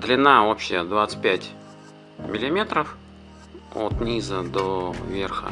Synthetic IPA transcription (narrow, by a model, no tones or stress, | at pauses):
d̪lʲɪnaopɕːɪjəd̪vat̪sə̥t̚ʲpʲætʲ | mʲɪlʲɪmʲe̞t̪ɾəf | o̰t̪nʲizəd̪ovʲerxə̰